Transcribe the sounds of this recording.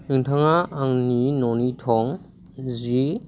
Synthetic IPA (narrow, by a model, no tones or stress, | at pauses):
nɯŋtʰaŋaʔaŋninɔnitʰɔŋ | zi